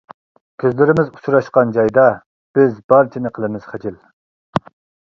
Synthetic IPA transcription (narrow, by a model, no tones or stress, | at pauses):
kʲʰøzlɪɾɪmɪzu̥t͡ʃʰuɾɑʃqɑnd͡ʒɑjd̪ɑ | b̥ɪzbɑɾt͡ʃʰinɪqʰəlˠɨmɪz̥χɛd͡ʒil